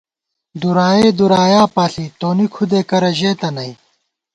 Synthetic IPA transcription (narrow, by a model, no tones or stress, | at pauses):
d̪uɾaːjeːd̪uɾaːjaːpaːɬit̪oːnikʰud̪eːkɐɾɐʑeːt̪ɐnɐj